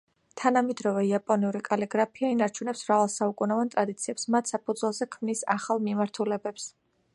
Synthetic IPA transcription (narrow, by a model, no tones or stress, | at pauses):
t̪ʰanamɛd̪ɾɔvɛiapʼɔniuɾikʼalɛɡɾapʰiainaɾt͡ʃʰunɛpsvɾavalˠsaukʼunavant̪ʼɾad̪it̪sʰiɛpsmat̪ʰsapʰud̪zwɛlˠzɛkʰmnisa̰χalˠmimaɾt̪ʰulɛbɛps